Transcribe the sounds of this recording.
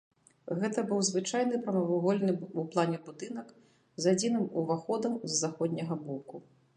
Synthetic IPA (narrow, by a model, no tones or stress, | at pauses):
ɣɛt̪ɐbɨwzvɨt͡ʂajn̪ɨpɾɐmɐvuɣɔlʲnɨuplˠanʲɛbud̪ɨnɐk | zad͡zʲinɨmuvaxɔd̪ɐmzːaxɔd̪ʲnʲɐɣɐbɔku